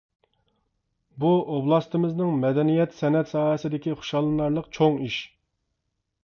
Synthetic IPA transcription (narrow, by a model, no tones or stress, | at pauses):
buoblˠɑst̪ɨmɨznɨŋmɛd̪ɛnijɛt̪sɛnɛt̪sɑːɦɛsɪd̪ɪkʲiχʊ̥ʃɑlˠɨnɑɾlˠəqt͡ʃʰoŋiʃ